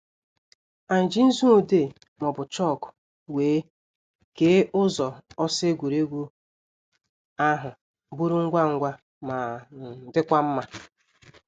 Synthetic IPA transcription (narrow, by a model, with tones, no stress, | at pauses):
a˨n̩˨d͡ʒi˦n̩˦zu˦o˨de˦˨ | mɔ˨bʊ˨t͡ʃɔ˦˨kʊ̥˨ | weː˨˦ | ke˦ʔʊ˦zɔ˨ɔ˦se˦ɡʷu˨ɾe˦ɡʷu˦ | a˦ɦʊ˨ | bu˦ɾʊ˦ŋ̩˦ɡʷa˦˨ŋ̩˦ɡʷa˦ | ma˨dɪ˦kʷa˦m̩˦ma˦